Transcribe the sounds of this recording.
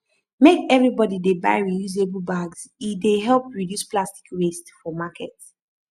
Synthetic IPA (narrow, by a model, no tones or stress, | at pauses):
mekɛvɹibɔdideba̰ɪɹijuzebl̩ˠbaɡz̥ideɦɛlˠpɹidjusplasti̥kɹestfɔmakʰɛt